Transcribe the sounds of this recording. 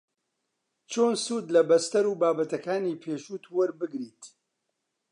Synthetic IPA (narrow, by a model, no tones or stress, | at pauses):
t͡ʃʰoːnsuːd̪lɐbɐst̪ɐɾuːbaːbɐt̪ɐkaːniːpʰeːʃuːt̪wɐɾbɨɡɾiːt̪